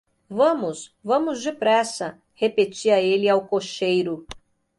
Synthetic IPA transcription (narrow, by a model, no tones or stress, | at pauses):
vɐ̃mʊsvɐ̃mʊzd͡ʒɪpɾɛsɐ | hepet͡ʃiɐelɪawkoʃejɾʊ